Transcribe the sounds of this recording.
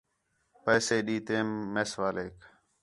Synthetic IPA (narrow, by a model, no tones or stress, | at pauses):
pəːseːɗiːt̪eːmːeːsʋaːleːk